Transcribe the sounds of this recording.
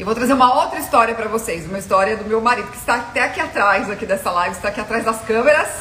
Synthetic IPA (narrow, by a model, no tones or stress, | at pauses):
ewvowt̪ɾazeɾũmɐowt̪ɾɐist̪ɔɾiɐpɾɐvosejzũmɐist̪ɔɾiɐd̪ʊmewmaɾid̪ʊkɪ̥st̪at̪ɛakiat̪ɾajzakid̪ɛsɐlajvɪst̪akiat̪ɾajzd̪ɐskɐ̃meɾɐs